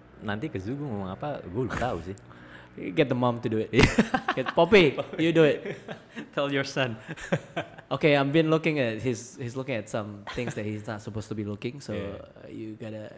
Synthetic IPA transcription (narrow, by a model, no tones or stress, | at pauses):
nãnt̪ikəzuɡumomaŋapaɡulut̪ausɪ | ɡɛt̚d̪əmãmtuduɪt̚aɡɛtpɔpijuduɪt̚ | tʰɛljɔɹsãn | ʔokeãjmbĩnlʊkɪ̃ŋɛt̚hishislʊkɪ̃ŋɛtsãmt̪ɪ̃ŋsdɛt̚histatsupostubilukɪ̃ŋso̰juɡɔɾə